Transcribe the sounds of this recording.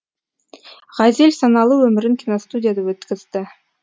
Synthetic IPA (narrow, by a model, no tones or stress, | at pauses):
ʁɑzelʲsɑnɑlˠuwɵmɪɾɪŋkʲʰinost̪udʲɪjad̪ɑwɵt̪kʲɪzd̪ɪ